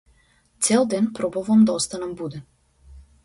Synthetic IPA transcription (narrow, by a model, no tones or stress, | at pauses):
t̪sɛlˠd̪ɛnpɾɔbɔvamd̪aɔst̪anɛmbud̪ɛ